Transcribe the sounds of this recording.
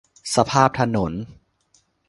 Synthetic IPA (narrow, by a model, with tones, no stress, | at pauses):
sa˧pʰaː˥˩p̚t̪ʰa˧no˩˦n